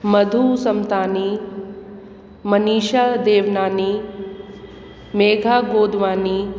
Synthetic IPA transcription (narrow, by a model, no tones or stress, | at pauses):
mɐd̪ʱusɐmt̪aːni | mɐniːʃad̪eːʋnaːni | meːɡʱaːɡoːd̪ʱʋaːni